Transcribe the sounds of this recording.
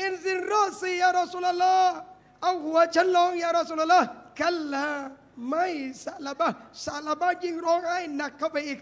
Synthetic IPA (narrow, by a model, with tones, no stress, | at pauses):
ɪ˦nzɪ˨nɾɔ˦sɪ˦jaː˦ɾɔ˨su˦la˦lːa˦ | a˦hu˨a˨t͡ʃa˦n˦lɔ˦ŋja˦ɾa˨su˦la˨lːa˦ka˦lːa˦ | ma˦i˨sa˨la˨ba˦˨sa˨la˨ba˦d͡ʒi˦ŋɾɔ˦ŋa˦i˨na˨kːa˦ba˨ɪ˦˨k